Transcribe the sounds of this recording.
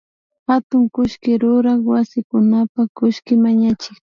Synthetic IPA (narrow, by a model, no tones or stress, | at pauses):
hat̪ʊŋkʊʃkɪɾʊɾaχwasɪkʊnapakʊʃkɪmaɲat͡ʃɪk